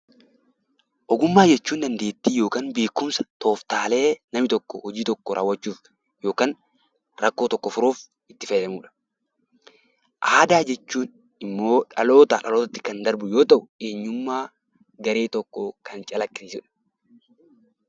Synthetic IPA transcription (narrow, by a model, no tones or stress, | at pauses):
ʔɔɡʊmːaːd͡ʒɛt͡ʃːuːnd̪ɐnd̪e̞ːt̪ːiːjo̞ːkaːnbeːkːʊmsɐ̥t̪ʰo̞ːft̪aːle̞ːnɐmɪt̪ɔkːɔhɔd͡ʒiːt̪ɔkːɔɾʔa̰ːwːɐt͡ʃːuːf | jo̞ːkaːn | ɾɐkːo̞ːt̪ɔkːɔfʊɾoːf | ɪt̪ːɪfɐjᶑɐmuːᶑɐ̥ | ʔaːd̪aːd͡ʒɛt͡ʃːuːn | ɪmːo̞ːᶑɐ̰lo̞ːt̪ɐᶑɐloːt̪ɐt̪ːɪ̥kɐnd̪ɐɾbʊjoːt̪ɐʔʊeːɲːʊmːaː | ɡɐɾeːt̪ɔkːɔkɐnt͡ʃʼɐlɐkːɪnɪːsʊᶑɐ̥